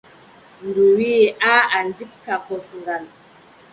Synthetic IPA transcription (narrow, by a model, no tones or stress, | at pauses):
nduwiaandikkːakɔsŋɡal